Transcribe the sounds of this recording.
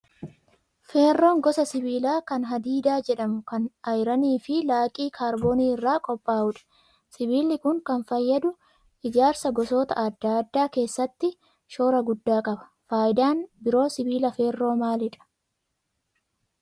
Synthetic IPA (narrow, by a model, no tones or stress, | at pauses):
feːrːoːŋɡɔsɐsɪbiːlaːkɐnɦɐd̪iːd̪aːd͡ʒɛᶑɐmʊkɐnɐjɾɐniːfɪlaːkʼiːkʰaːɾboːniːɪrːaːkʼɔpʼːaːʔʊᶑɐ̥ | sɪbiːlɪkʊŋkɐnfɐjːɐd̪ʊ | ʔɪd͡ʒaːɾsɐɡɔsoːt̪ɐ̰ʔɐd̪ːaːd̪ːaːke̞ːsːɐt̪ːɪ | ʃo̞ːɾɐɡʊd̪ːaːkʼɐbɐ̥ | faːjɪd̪aːnbɪɾo̞ːsɪbiːlɐfe̞ːrːo̞ːmaːlɪᶑɐ̥